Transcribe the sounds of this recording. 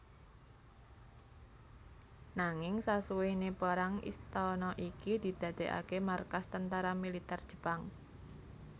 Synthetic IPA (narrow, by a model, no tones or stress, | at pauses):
naŋɪŋsasuwenepaɾaŋḭst̪ɔnɔʔikid̪̥i̤d̪̥ä̤d̪̥e̤ʔa̰kemarkast̪ənt̪aɾamilit̪ɛrd̥ʒ̥ə̥̤paŋ